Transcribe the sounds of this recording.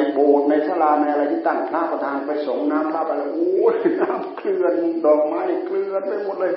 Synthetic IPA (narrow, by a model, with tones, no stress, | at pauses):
boː˨˩t̪̚na˧jsʰa˧˥˩laː˧˩na˧jʔa˧ɾa˧jt̪ʰiː˧˥˩t̪a˧˩ŋpʰlaː˧˥˩pa˧t̪ʰaː˧n˧˩pa˧jso˨˩˦ŋnaː˦˥mpʰlaː˧˩pa˧jlaː˧˩ʔoː˧˦naː˦˥mklɯ˨˧ət̪̚dɔː˨˩k̚maː˦˥jna˧˩klɯ˨˧ət̪̚pa˧˩jmo˨˩t̪̚lɤː˧˩j